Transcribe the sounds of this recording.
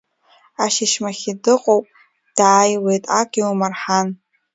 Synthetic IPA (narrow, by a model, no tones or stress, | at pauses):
aʃiʃmaχʲidɨqʼowpʼ | d̥aːjwe̞jtʼaɡʲiumarħan